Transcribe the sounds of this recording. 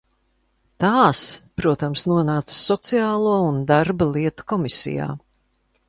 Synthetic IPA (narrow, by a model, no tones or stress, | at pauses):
t̪aːspɾuɔt̪amsnuɔnaːt̪sːɔt̪siaːlˠuɔund̪aɾbalˠiɛt̪u̥kɔmisḭja̰ː